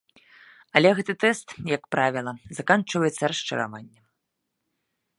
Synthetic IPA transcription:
ɐlʲɛɣɛt̪ɨt̪ɛst̪jɐkpɾavʲilˠɐzɐkant͡ʂɨvɐjɛt̪sːɐɾɐʂt͡ʂɐ̰ɾa̰vanʲːɐ

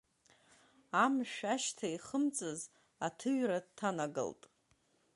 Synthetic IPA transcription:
amʃᶣaʃtʰaiχəmt͡sʼɨz | atʰɨɥradtʰːanaɡɨ̰ltʼ

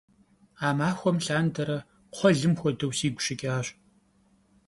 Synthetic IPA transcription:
aːmaːxʷɔmɬaːndɐɾɐ | qʷʰɔɮɨmxʷɔdɐwsiːɡʷʊ̥ɕɪkʲʼaːɕ

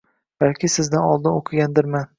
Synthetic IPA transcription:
b̥alkʲʰɪsɪzd̪anɒlˠd̪ɪnoqʰɨɡʲand̪ɪɾman

